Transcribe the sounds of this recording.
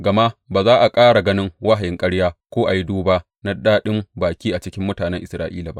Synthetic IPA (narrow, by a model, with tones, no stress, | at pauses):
ɡɐ˨ma˦ʔbaː˨zaː˦ʔa˨kʼaː˦ɽa˨ɡɐ˦nɪ˦ŋwa˦ɦa˨jɪ˦ŋkʼɐ˦ɽjaː˦kʷoː˦ʔa˨ji˦duː˦ba˦ʔ | na˦daː˦ɗɪ˦mbaː˨kʲiː˦ʔa˨t͡ʃɪ˦kʲɪ˦mːʊ˦taː˨nɛ˦ŋʔɪ˨sɾa̰ː˦ʔḭː˦la˨ba̰˦ʔ